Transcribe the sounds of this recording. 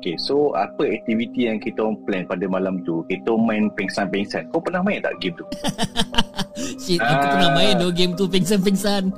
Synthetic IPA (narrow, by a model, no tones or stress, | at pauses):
okesoa̰pəɛk̚t̪ivit̪ijaŋkit̪oŋplɛnpadəmalamt̪ukit̪omãjnpɛŋsanpɛŋsankawpənahmãj̃nt̪a̰ʔɡemt̪u | ʃit̪akupənahmãjndoɡemt̪upɛŋs̬anp̬ɛŋsan